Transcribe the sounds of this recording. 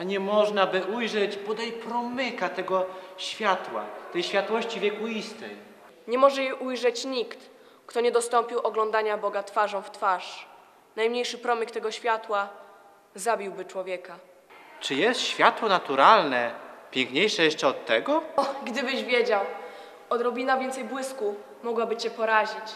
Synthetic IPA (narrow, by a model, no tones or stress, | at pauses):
aɲɛmɔʐnabɘʔujʐɛt͡ɕbɔd̪ajpɾɔmɘkat̪ɛɡɔɕfʲjat̪wa̰t̪ɛjɕfʲjat̪wɔɕt͡ɕivʲjɛkuist̪ɛj | ɲɛmɔʐɛjɛʔujʐɛt͡ɕɲikt̪ | kt̪ɔɲɛd̪ɔst̪ɔmpʲiwʔɔɡlɔ̃nd̪aɲabɔɡat̪faʐɔ̃w̃ft̪faʂ | najmɲejʂɘpɾɔmʲikt̪ɛɡɔɕfʲjat̪wa | zabʲiwbɘt͡ʂwɔvʲjɛka | t͡ʂɘjɛst̪ɕfʲjat̪wɔnat̪uɾalnɛpʲjɛŋkɲejʂɛjɛʂt͡ʂɛɔt̪ːɛɡɔɔɡd̪ɘbɘʑvʲjed͡ʑaw | ɔd̪ɾɔbʲinavʲjɛnt̪sɛjbwɘsku | mɔɡwabɘt͡ɕɛpɔɾaʑit͡ɕ